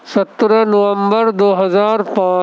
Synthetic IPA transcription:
sɐt̪ɾənoʋə̃mbəɾd̪oːɦɐzaːɾpãː

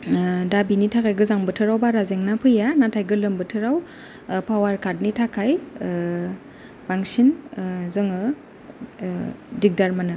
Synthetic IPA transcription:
dabinitʰakʰajɡɯzaŋbɯtʰɯɾawbaɾazeŋnapʰɯjanatʰajɡɯlɯmbɯtʰɯɾaw | pʰawaɾkʰat̚nitʰakʰaj | b̥aŋsinzɯŋɯ | dik̚daɾmanɯ

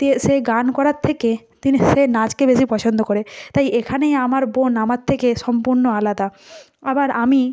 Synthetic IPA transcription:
t̪eʃeɡankɔɾaɾt̪ʰeke | t̪iniʃenad͡ʑkebeʃipɔt͡ɕʰond̪okoɾet̪ajʔekʰanejamaɾbonamaɾt̪ʰːekeʃɔmpuɾnoalad̪a | abaɾʔami

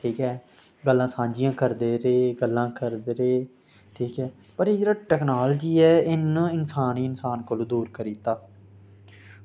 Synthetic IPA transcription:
ʈʰiːkɦɛː | ɡəlːãːsãːɲd͡ʒɪjãːkəɾd̪eːɾeeːɡəlːãːkəɾd̪eːɾeː | ʈʰiːkɦɛː | pəɾeːd͡ʒeːɾaːʈɛːknaːld͡ʒiːɛːɪnɪnsaːniːɪnsaːnkoːlõːd̪uːɾkəɾiːt̪aː

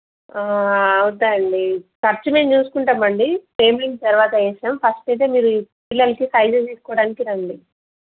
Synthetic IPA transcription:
aɐud̪ɐɳɖikɐɾt͡ʃumeːmt͡ʃuːsu̥kuɳʈaːmɐɳɖipɾeːmliŋɡ̚t̪ɐɾuʋaːt̪ɐɛːʃaːmpʰɐsʈɐjt̪emiːɾupilːɐlɐkisɐjd͡ʒɐt̪iːsu̥kɔːɽaːnikiɾɐɳɖi

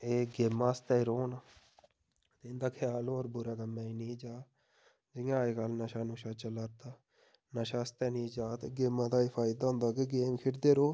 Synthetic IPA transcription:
eːɡeːmːaːst̪ɛːiɾoːna | t̪eɪnd̪aːkʰɪjaːlːɾbʊɾaːkəmːɛ̃ːiːnĩːd͡ʒaː | d͡ʒɪjãːeːkəlnaʃaːnũːʃaːt͡ʃəlaːɾt̪aː | naʃaːst̪ɛːnĩːd͡ʒaːt̪ːɡeːmãːd̪aːɪfʰaːɪd̪aːɦʊ̃nd̪aːkeɡeːmkʰɪʈd̪eːɾoː

